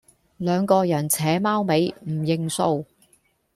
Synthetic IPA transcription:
lœː˨˧ŋkɔː˧jɐ˨˩nt͡sʰɛː˨˥maː˥wme˨˧jm̩˨˩jɪ˨ŋso˧w

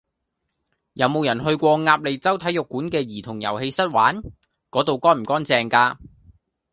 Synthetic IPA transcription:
jɐ˨˧wmo˨˧wjɐ˨˩nhɵ˧ɥkʷɔː˧ŋaː˧p̚le˨jt͡sɐ˥wt̪ʰɐ˨˥jʊ˨kːuː˨˥nkɛː˧jiː˨˩t̪ʰʊ˨˩ŋjɐ̰˨˩whe˧jsɐ˥t̚waː˨˥n | kɔː˨˥t̪o˨wkɔː˥nm̩˨˩kɔː˥nt͡sɛː˨ŋkaː˧

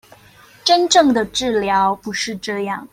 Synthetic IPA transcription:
ʈ͡ʂə˥nʈ͡ʂɤ˥˩ŋd̪ə˩ʈ͡ʂɻ̩˥˩ljɑ˧˥ʊpu˧˥ʂɻ̩˥˧ʈ͡ʂɤ˥˧jɑ˥˩ŋ

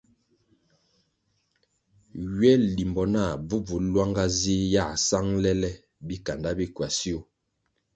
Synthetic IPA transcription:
ɥɛ˦li˨mbɔ˨na˦˨b͡vu˦b͡vu˨˦lwa˦ŋɡa˦zi˦ja˦˨sa˦ŋlɛ˦lɛ˦ | bi˦ka˨nda˦bi˦kwa˨si˦o˦

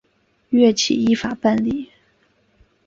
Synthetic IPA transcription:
ɥɛ˥˩t͡ɕʰḭ˨˩i˥˩fa˨˩pa˥˧nli˥˩˦

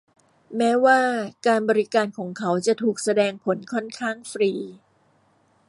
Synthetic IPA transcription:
mɛː˦˥waː˥˩kaː˧nbɔː˧ɾi˦˥kaː˧nkʰɔː˩˦ŋkʰa˦˥wt͡ɕa˨˩t̪ʰuː˨˩k̚sa˧dɛː˧ŋpʰo˩˦nkʰɔ˥˩nkʰaː˥˩ŋfɾiː˧

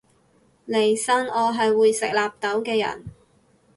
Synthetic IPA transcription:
le˨˩jsɐ˥ŋɔː˨˧ɦɐ˨jwuː˨˧jsɪ˨k̚laː˨p̚t̪ɐ˨˥wkɛː˧jɐ̰˨˩n

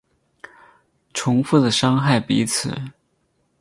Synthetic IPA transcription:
ʈ͡ʂʰʊ˧˥ŋfu˥˩d̪ə˩ʂɑ˥ŋxa˥˩ɪpi˧˥t͡sʰɹ̩˨˩˦

